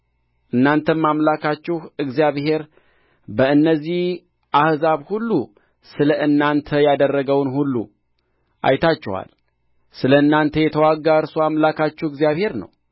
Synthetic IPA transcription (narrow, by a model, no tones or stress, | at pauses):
ʔɨnːant̪ʰənmamlakat͡ʃːɪhɨɡzijaβhe̞ɾ | bəɨnːəzːih | ʔahzaβhulːu | sɨləʔɨnːant̪ʰəjad̪ərːəɡəwnhulːṵ | ʔa̰jt̪ʰat͡ʃːɛ̰wa̰l | sɨləɨnːant̪ʰəjɛt̪ʰəwaɡːaɨɾsoamlakʰat͡ʃːɛɨɡzijaβhe̞ɾnə̰w